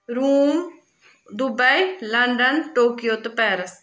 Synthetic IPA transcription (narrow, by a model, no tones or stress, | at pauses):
ɾuːm | d̪ʊbəiləɳɖənʈoːkijoːt̪pɛːɾəs